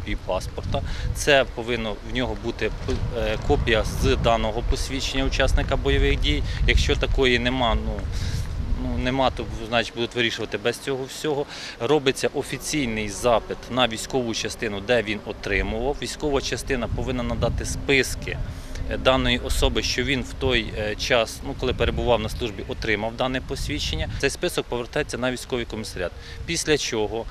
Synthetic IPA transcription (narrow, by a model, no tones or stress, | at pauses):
pʲipɑspɔrt̪ɐt̪sɛpɔʋɪnːɔwnʲɔɦɔbut̪ɪpkɔpʲijɐzd̪ɑnɔɦɔpɔsʲʋʲit͡ʃenʲːɐut͡ʃɑsnɪkɐbɔjɔʋɪxdʲijjɐkʃt͡ʃɔt̪ɐkɔjinemɑnu | nunemɑt̪ɔznɑjt͡ʃʲbud̪ʊtʲʋɪɾʲiʃʊʋɐt̪ɪbɛzst͡sʲɔɦɔwsʲɔɦɔ | rɔbɪt͡sʲːɐʔɔfʲit͡sʲijnɪjzɑpɪt̪nɐʋʲijsʲkɔʋʊt͡ʃɐst̪ɪnʊd̪ɛʋʲinɔt̪ɾɪmʊʋɐwʋʲijsʲkɔʋɐt͡ʃɐst̪ɪnɐpɔʋɪnːɐnɐd̪ɑt̪ɪspɪskɪ̰ | d̪ɑnɔjiʔɔsɔbɪʃt͡ʃɔʋʲinwt̪ɔjt͡ʃɑsnukɔlˠɪpeɾebʊʋɑwnɐslˠuʒbʲiʔɔt̪ɾɪmɐwd̪ɑnɛpɔsʲʋʲit͡ʃenʲːɐɛjspɪsɔk̚pɔʋeɾt̪ɑjet͡sʲːɐnɐʋʲisʲkɔʋijkɔmʲisɐɾʲɑt̪̚ | pʲisʲlʲɐt͡ʃɔɦɔ